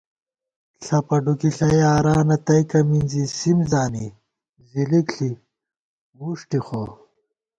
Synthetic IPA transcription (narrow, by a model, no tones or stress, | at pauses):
ɬʰɐpɐɖukiɬɐjaːɾaːnɐt̪ɐjkɐminzisimzaːni | zilikɬi | muʂʈixo